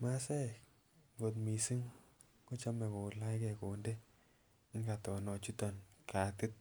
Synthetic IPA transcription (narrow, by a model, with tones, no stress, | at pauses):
ma˦se˦ | ŋɡo˨t̪̬mi˨si˦ŋ | ko˦t͡ʃa˦me˨ko˨la˦jke˨ko˨nde˦ | ŋɡa˨t̪ɔ˨nɔ˨t͡ʃu˦t̪ɔ˨nka˨t̪ɪ˦t̪̚